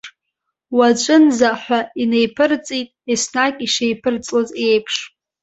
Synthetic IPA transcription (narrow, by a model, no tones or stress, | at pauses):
wat͡ʃʷʼɨnzaħᶣʷaine̞jpʰɨrt͡sʼitʼesnakʼiʂejpʰɨrt͡sʼloze̞jpʰʂ